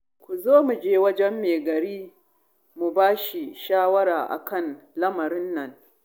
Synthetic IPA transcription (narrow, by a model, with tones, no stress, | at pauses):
kʷu˨zoː˦mu˨d͡ʒeː˦wɐ˦d͡ʒɛ˦mːeː˨ɡɐ˨ɾiː˦ | mu˨baː˦ʃi˨ʃaː˦wɐ˦ɽaː˨ʔa̰˨kɐ˦˨nlɐ˦mɐ˨ɾɪ˦nːɐ˨ŋ